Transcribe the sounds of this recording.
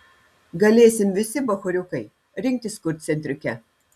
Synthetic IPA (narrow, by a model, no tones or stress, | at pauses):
ɡɐlʲeːsʲɪmʲʋʲɪsʲɪbɐxʊɾʲʊkɐɪ | ɾʲɪŋʲk̚ʲt̪ʲɪskʊɾʲt̪̚ʲsʲɛnʲt̪ʲɾʲʊkʲɛ